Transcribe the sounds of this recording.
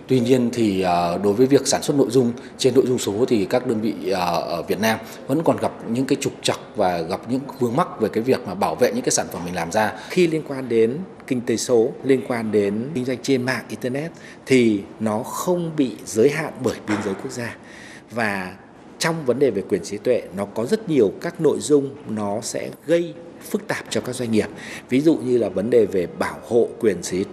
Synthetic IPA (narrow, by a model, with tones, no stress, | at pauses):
t̪wi˧ɲi˧ənt̪ʰi˨˩ʔəː˨˩ɗo˨˦jvəː˨˦jvi˨˩ək̚saː˧˩nswə˦˥t̚no̰˧˨jzʊ˧ŋ͡m | t͡ɕe˧nːo̰˧˨jzʊ˧ŋ͡mso˨˦t̪ʰi˨˩kaː˦˥k̚ɗəː˧nvḭ˧˨əː˨˩˧vi˨˩ət̚naː˧m | və̰˧˥nkɔ˨˩nɣa˨˩p̚ɲɨ̰˧˥ŋkaː˨˦jt͡ɕʊ˨˩k͡p̚t͡ɕə˨˩t̚vaː˨˩ɣa˨˩p̚ɲɨ̰˧˥ŋfɨ˧əŋma˦˥k̚ve˨˩kaː˨˦jvi˨˩ək̚maː˨˩ɓaː˧˩wvḛ˧˨ɲɨ̰˧˥kːaː˨˦jsaː˧˩nfə˧˩mːï˨˩ŋlaː˨˩mzaː˧xi˧li˧ənkwaː˧nɗe˨˦nkï˧ŋ̟t̪e˨˦so˨˦li˧ənkwaː˧nɗe˨˦nɨ̈˧ŋ̟zwa˧jŋ̟t͡ɕe˧nma̰ː˧˨ŋʔi˧t̪ɛː˧nɛ˦˥t̚ | t̪ʰi˨˩nɔ˨˦xə˧wŋ͡mɓḭ˧˨zəː˨˦jɦa̰ː˧˨nɓəː˧˩jɓi˧ənzəː˨˦jku˦˥ək̚zaː˧ | vaː˨˩ | t͡ɕɔ˧wŋ͡mvə˨˦nɗe˨˩ve˨˩kwi˨˩ənsi˨˦t̪wḛ˧˨nɔ˨˦kɔ˨˦zə˦˥t̚ɲi˨˩əwkaː˦˥k̚no̰˧˨jzʊ˧ŋ͡mnɔ˨˦sɛ̰˧˥ɣə˧j | fɨ˦˥k̚t̪aː˨˩p̚t͡ɕɔ˧kaː˦˥k̚za˧ŋ̟ŋi˨˩əp̚vi˨˦zṵ˧˨ɲɨ˧laː˨˩və˨˦nɗe˨˩ve˨˩ɓaː˧˩who̰˧˨kwi˨˩ənsi˨˦